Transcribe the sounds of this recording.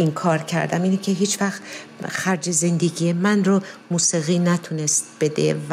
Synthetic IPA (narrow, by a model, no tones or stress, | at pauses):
inkʰɒːɾcʰæ̰ɾd̪æ̰miːnicʲʰeɦiːt͡ʃvæxt̪xæɾd͡ʒe̞ze̞nd̪eɡijemænromuːsiɣiːnæt̪ʰunest̪̚b̥e̞d̪ḛv